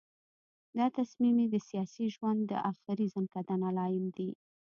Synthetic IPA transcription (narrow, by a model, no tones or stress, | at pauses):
d̪ɑt̪asmimid̪əsijɑsiʒwand̪ːə̰ʔaxɪɾizamkad̪analɑjɪmd̪i